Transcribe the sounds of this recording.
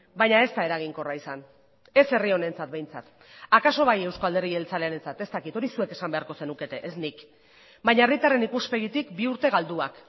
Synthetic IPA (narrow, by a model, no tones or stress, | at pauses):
bajɲae̞st̪ae̞ɾaɣ̞iŋko̞raisan | e̞se̞rio̞ne̞nt͡sat̪̚be̞jnt͡sa̰t̪ | akaso̞βaje̞wskoald̪e̞ɾielt͡sale̞aɾe̞nt͡sat̪e̞st̪akit̪o̞ɾisue̞ke̞sambe̞aɾko̞se̞nuke̞t̪e̞ʔesnik | bajɲaerit̪are̞nikuspe̞ɣit̪ikbiuɾt̪e̞ɣ̞ald̪uak